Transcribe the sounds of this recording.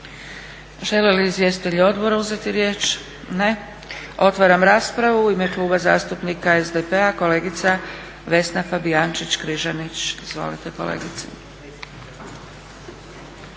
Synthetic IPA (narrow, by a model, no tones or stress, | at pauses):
ʒe̞leliːzje̞si̥t̪eʎuo̞d̪bo̞ɾauze̞t̪iɾje̞ːt͡ʃ | ne̞ | o̞t̪ʋaɾamɾaːspɾaʋuime̞klˠuːbaza̰ːst̪upnikaezd̪epe̞ako̞le̞ːɡit̪sa | ʋe̞snafabiant͡ʃit͡ɕkɾiʒanit͡ɕizʋo̞̰lit̪eko̞̰lḛːɡit̪se